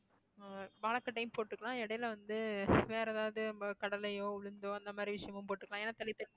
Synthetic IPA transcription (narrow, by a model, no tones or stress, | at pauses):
baːɭɐkːɐʈːɐɪmpoːʈːɯkːɐɭãːɛɽɐjɪlʋɐnd̪ɯʋeːɾɐðaːʋɐðɯɐkɐɽɐlɐjoːʊɻɯnd̪oːɐnd̪ɐmaːd̪ɾiʋɪʂɐjɐmɯmpoːʈːɯkːlãeːnːaːt̪ɐlɪt̪ːɐ